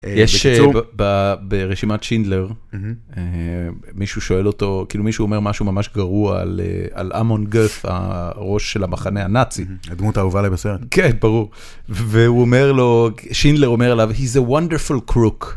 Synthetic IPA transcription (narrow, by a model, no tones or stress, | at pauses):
jeʃbbabeʁeʃimatʃindle̞ʁ | e | miʃuʃo̞e̞lo̞to̞kiːlumiʃuome̞ʁmaʃumamaʃɡaʁuaa̰lḛa̰la̰monɡeθa̰ʁo̞ʃːelamaχanehanat͡sid̪mut̪auvalajbeseʁet̪kenbaʁuʁ | veuome̞ʁlo̞ʃindleʁomeʁelavhizewandefulkʰʁuk